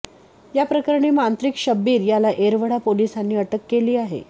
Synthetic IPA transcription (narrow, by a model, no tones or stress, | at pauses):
japɾəkəɾɳ̃iːmant̪ɾikɕəbːiːɾjalaʔeɾʋəɽapolisanːiːəʈəkːeliːaɦḛ